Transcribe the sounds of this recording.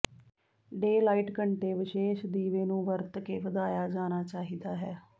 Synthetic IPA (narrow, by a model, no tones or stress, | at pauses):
ɖeːlaːiːʈkəɳʈeːʋɪʃeːʃd̪iːʋeːnũːʋəɾt̪keːʋəd̪aːjaːd͡ʒaːnaːt͡ʃaːɦiːd̪aːɦɛː